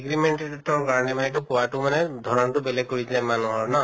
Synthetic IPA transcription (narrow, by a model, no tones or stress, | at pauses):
ɡɹimentetɔɹkaɹɔnɛmanɛtʊkɔwatʊmanɛdʱɔɹɔntʊbelɛɡ̚koɹitilamanuɦɔɹna